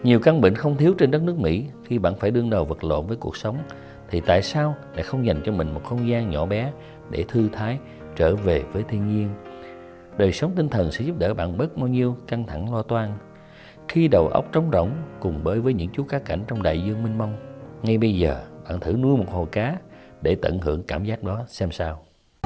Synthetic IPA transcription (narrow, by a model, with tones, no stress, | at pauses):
ɲi˨˩əwka˧ŋɓḭ˧˨ŋ̟xə˧wŋ͡mt̪ʰi˨˦əwt͡ɕe˧nɗə˦˥t̚nɨ˦˥ək̚mḭ˧˥xi˧ɓa̰ː˧˨nfaː˧˩jɗɨ˧əŋɗə˨˩wvə˨˩t̚lo̰˧˨nvəː˨˦jku˨˩ək̚sə˨˦wŋ͡m | t̪ʰi˨˩t̪a̰ː˧˨jsaː˧wla̰ː˧˥xə˧wŋ͡mza˨˩jŋ̟t͡ɕɔ˧mï˨˩ŋ̟mo˨˩t̚xə˧wŋ͡mzaː˧nɲɔ̰˧˩ɓɛ˨˦ | ɗe˧˩t̪ʰɨ˧t̪ʰaː˨˦j | t͡ɕəː˧˩ve˨˩vəː˨˦jt̪ʰi˧ənɲi˧ən | ɗəː˨˩jsə˨˦wŋ͡mt̪ï˧ŋ̟t̪ʰə˨˩nsɛ̰˧˥zu˦˥p̚ɗəː˧˩ɓa̰ː˧˨nɓə˦˥t̚ɓaː˧wɲi˧əwka˧ŋt̪ʰa˧˩ŋlɔ˧t̪waː˧n | xi˧ɗə˨˩wʔə̰˦˥wk͡p̚t͡ɕə˨˦wŋ͡mzə̰˧˨wŋ͡mkʊ˨˩ŋ͡mɓəː˨˦jvəː˨˦jɲɨ̰˧˥ŋt͡ɕu˨˦˥kaː˨˦˥kːa˧˩jŋ̟t͡ɕɔ˧wŋ͡mɗa̰ː˧˨jzɨ˧əŋmï˧ŋ̟ma˧wŋ͡mŋa˧jɓə˧jzəː˨˩ɓa̰ː˧˨nt̪ʰɨ̰˧˩nu˧əjmo˨˩t̚ho˨˩jkaː˨˦ | ɗe˧˩t̪ə̰˧˨nhɨ˧˩əŋkaː˧˩mzaː˦˥k̚ɗɔ˨˦sɛ˧msaː˧w